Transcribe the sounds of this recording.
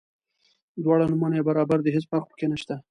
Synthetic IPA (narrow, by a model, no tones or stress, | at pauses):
d̪wɑɽanʊmanjebaɾɑbaɾd̪əɦet͡spaɾxpə̥kenaʃt̪a